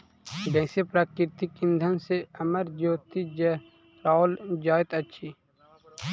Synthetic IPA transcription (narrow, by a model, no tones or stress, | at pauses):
d̪ɛ̃ːsepɾaːkɪɾt̪ikɪ̃nd̪ʱənseəməɾd͡ʒoːt̪id͡ʒə | ɾaːld͡ʒaːjt̪ətːʃʰi